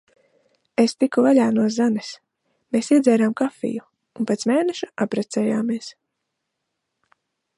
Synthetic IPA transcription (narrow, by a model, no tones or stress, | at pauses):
est̪ikuvaʎʲaːnuɔzanes | meːsiɛd̪zɛːɾaːmkafḭju | unpat̪smeːnɛʃḁʔapɾat̪sɛːjaːmiɛs